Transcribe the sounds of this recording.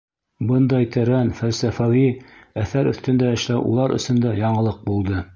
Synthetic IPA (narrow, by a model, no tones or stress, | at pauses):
bɤnd̪ɑjt̪ʰæɾænfælsæfæwiæθæɾɵ̰̆θt̪ɘ̆nd̪æɘ̆ʃlæwʔṵlˠɑɾʔɵ̰̆sɵ̆nd̪æjɑɴɤ̆lˠɤq̚bulˠd̪ɤ